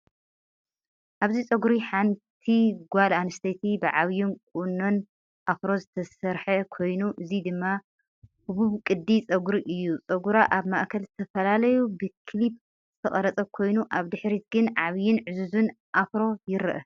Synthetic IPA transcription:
ʔaβzit͡sʼɐɡuɾiħant̪ʰiɡʷalanɨst̪ʰet̪ʰibɨʕaβjunkʼunːo̞n | ʔafɾo̞zɨt̪ʰɐsɐɾħɐkʰo̞jnuʔɨzid̪ɨmːa | huβuβkʼɨd̪ːit͡sʼɐɡuɾiʔɨjːut͡sʼɐɡuɾaʔaβmaʔkʰɐlzɨt̪ʰɐfɐlalɐjubɨkʰlip̚ | z̥ɨt̪ʰɐχʼɐɾɐt͡sʼɐkʰo̞jnuʔaβd̪ɨħɾit̪̚ɡɨnʕaβjɪnʕɨzuzɨn | ʔafɾo̞jɪɾɨʔɐ

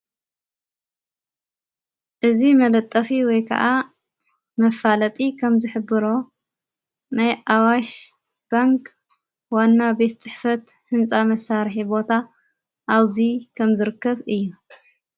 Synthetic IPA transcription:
ʔɨzimɐlɐt̪ʼːɐfiwɔjkʰɐ̰ʔa | mɐfalɐt̪ʼikʰɐmzɨħɨbɨɾo̞ | najʔawaʃ | b̥aŋk | wanːabe̞t̪t͡sʼɨħfɐt̪ | hɨnt͡sʼamɐsːaɾħibo̞t̪ʰa | ʔaβzikʰɐmzɨɾɨkːɐβɨjːu

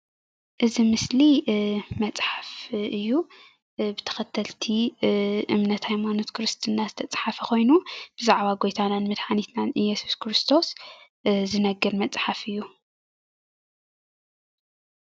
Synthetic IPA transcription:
ʔɨzimɨslimɐt͡sʼħafʔɨjːu | bɨt̪ʰɐ̥xɐt̪ʰɐlt̪ʰiʔɨmnɐt̪hajmano̞t̪kʰɨɾɨst̪ʰɨnːazɨt̪ʰɐt͡sʼħafɐko̞jnub̥ɨzaʕβaɡo̞jt̪ʰananmɨd̪ħanit̪nanɨjːɛsu̥skʰɾɨst̪ʰo̞s | zɨnɐɡːɨɾmɐt͡sʼħafɨjːu

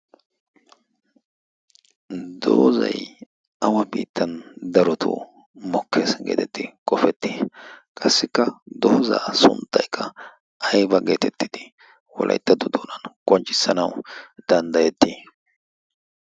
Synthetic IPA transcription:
d̪o̰ːzɐ̰j | ɐwɐbiːt̪ːɐnd̪ɐɾɔt̪ʰʊ̰ | mɔkʰːeːsɡeːt̪ɛt̪ːɪkʼɔfɛt̪ːikʼɐsːɪkːɐd̪oːza̰ːsʊ̰nt̪ʼːɐjkʰːɐ | ɐjbɐɡe̞ːt̪ɛt̪ːɪd̪̥ɪ | wɔ̰lʔɐ̰jt̪ːɐd̪ɔd̪oːnɐnkʼɔnt͡ʃʼːɪ̥sːɐnɐwd̪̥ɐnd̪ɐjɛt̪ːi

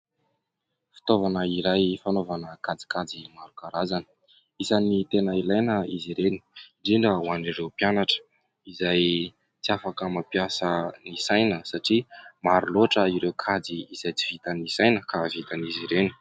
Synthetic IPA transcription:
fi̥t̪ovanəiɾajfanovanəkad͡zi̥kad͡zimaɾukaɾazanə̥ | isanit̪enəilajnəiziɾeni̥ɳɖ͡ʐiɳɖ͡ʐəuaniɾewpjanaʈ͡ʂə̥ | izaj | t͡siafakəmapjasənisajnəsaʈ͡ʂimaɾuloʈ͡ʂəiɾewkʰad͡ziːz̥ajt͡si̥v̥it̪anisajnəkavit̪aniziɾeni̥

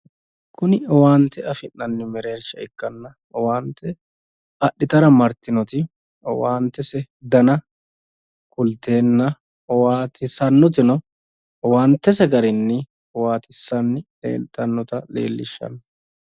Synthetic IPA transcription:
kʊnɪwaːnt̪ɛɐfɪnːɐnːɪmɛɾe̞ːɾt͡ʃːɐɪkːɐnːɐ | waːnt̪ʰːɛ | ɐɗːɪt̪ɐɾɐmɐɾt̪ɪnɔt̪ɪ | waːnt̪ːɛsɛ | d̪ɐnɐ | kʊlt̪e̞ːnːɐ | waːt̪ɪsɐnːɔt̪̬ɪnɔ | waːnt̪ːɛs̬ɛɡɐɾɪnːɪ | waːt̪ʼɪsːɐnːɪlḛːlt̪ɐnːɔt̪ɐlḛːlːɪʃːɐ̰nː

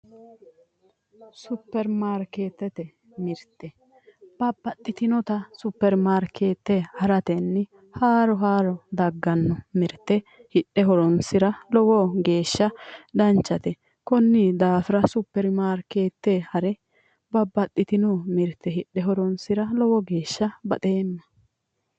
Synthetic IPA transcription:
sʊpːɛɾmaːɾke̞ːt̪ːɛt̪ɛ | mɪɾt̪ːɛ | b̥ɐbːɐt̪ʼːɪt̪ɪnɔt̪ɐsʊpːɛɾmaːɾkʰeːt̪ːɛhɐɾɐt̪ɛnːɪ | haːɾɔɦaːɾɔd̪ɐɡːɐnːɔmɪɾt̪ːɛhɪᶑːɛɦɔɾɔnsɪɾɐlɔwɔɡe̞ːʃːɐd̪ɐnt͡ʃːɐt̪ɛ | kɔnːid̪aːfɪɾɐsʊpːɛɾmaːɾke̞ːt̪ːehɐɾɛ | bɐbːɐt̪ʼːɪt̪ɪnɔmɪɾt̪ːɛɪᶑːɛɦɔɾɔnsɪɾɐlɔwɔɡe̞ːʃːɐbɐ̰t̪ʼe̞ːnːɐ

